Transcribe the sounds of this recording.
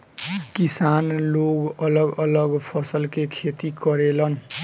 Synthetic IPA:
kisanloɡʌlʌɡʌlʌɡpʰʌsʌlkekʰet̪ikʌɾelʌn

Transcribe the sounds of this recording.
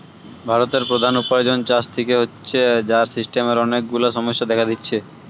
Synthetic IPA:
bʱaɾot̪eɾpɾod̪ʱanupaɾd͡ʑont͡ɕast̪ʰekeɦotːɕʰed͡ʑaɾsisʈemeɾɔnek̚ɡulaʃɔmoʃːad̪ɛkʰad̪itːɕʰe

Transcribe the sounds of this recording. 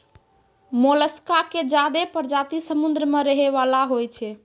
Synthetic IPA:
moləskaked͡ʒad̪epəɾd͡ʒat̪isəmund̪ɾəmeɾəɦeβalaɦojt͡ʃʰɛ

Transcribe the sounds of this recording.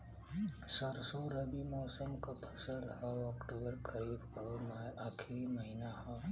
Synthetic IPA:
səɾsoɾɐbimɔːsəmkapʰɐsəlhaɔːkʈoːbəɾkəɾiːbkaakʰliməɦinahaː

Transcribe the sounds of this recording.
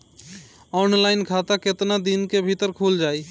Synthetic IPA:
ɔːnlaːɪnkʰaːt̪aket̪nad̪inkebʱit̪əɾkʰuːld͡ʒaːiː

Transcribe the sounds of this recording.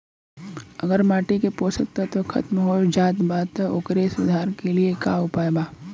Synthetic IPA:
ɐɡəɾmaːʈikepoːsək̚t̪at̪okʰɐ̰t̪mɦod͡ʒaːt̪baːd̪t̪ʊkɾesʊd̪ʱaːɾkeliekaːʊpaːebaː

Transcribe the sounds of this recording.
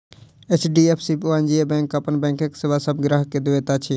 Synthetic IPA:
et͡ʃʰɖiːepʰsiːpoand͡ʒiebɛ̃ːŋkapənbɛ̃ːŋkeksɪʋasəbɡɾaːɦked̪ɪʋeːt̪at͡ʃʰi

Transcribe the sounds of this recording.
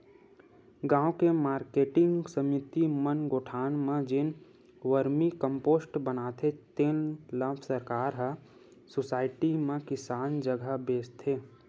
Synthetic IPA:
ɡãːõkemaːɾkeːʈɪ̃ŋɡsəmit̪imənɡoːʈʰaːnmẽd͡ʒɪn | ʋəɾmikə̃mpoːsʈbənaːt̪ʰet̪eːnləbʰsəɾkaːɾɦə | sosaːɪʈimẽkɪsaːnd͡ʒəɡʱəbeːst̪ʰeː

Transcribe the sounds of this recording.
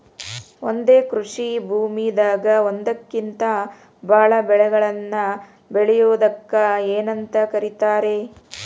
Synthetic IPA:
ond̪e̞ːkɾuʂibʱuːmid̪aːɡɐond̪ɐkːint̪ɐ | bʱaːɭɐbɛɭɛɡɐɭɐnːɐ | beɭɛjoːd̪ɐkːɐeːnɐnt̪ɐkɐɾit̪aːɾe̞

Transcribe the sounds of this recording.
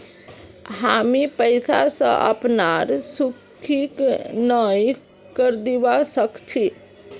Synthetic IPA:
ɦamipəɪsa̰sə̰̃ʔə̰pnaɾsukʰiknəj | kəɾd̪iʋasəkt͡ʃʰi

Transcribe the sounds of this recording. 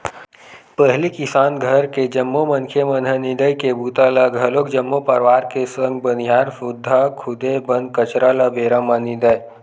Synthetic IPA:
pəɦlikɪsaːnɡʱəɾked͡ʒəmːomənkʰemənɦənid̪əjkebuːt̪aləɡʱɐlokd͡ʒəmːopəɾʋaːɾkesə̃ŋɡ̚bənijaːɾsʊd̪ʱːakʰʊd̪ebə̃nd̪̚kət͡ʃɾaləbeːɾamanid̪əj

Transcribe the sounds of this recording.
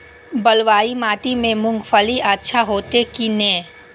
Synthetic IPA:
bɐlʋaːimaːt̪imẽmʊ̃ŋɡfʰəliʔatːʃʰaɦoːt̪ekinɛː

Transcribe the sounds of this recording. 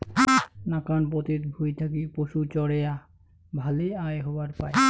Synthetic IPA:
nakanpot̪it̪bʱujt̪ʰakipoʃut͡ɕɔɽeja | bʱaleajɦɔbaɾpae

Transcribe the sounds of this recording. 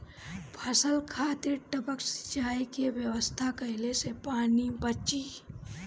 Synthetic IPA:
pʰəsəlkʰaːt̪ɪɾʈəbəksɪ̥d͡ʒaːikeʋjəʋəst̪ʰakɐɦɪlesepaːnibət͡ʃi

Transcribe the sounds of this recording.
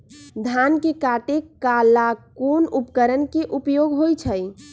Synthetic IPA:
d̪ʱankekaʈekalakonupkəɾənkeʔupjoɡɦojt͡ʃʰəj

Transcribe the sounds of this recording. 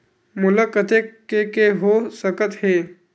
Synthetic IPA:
mʊləkət̪ekekeɦosəkət̪ɦeː

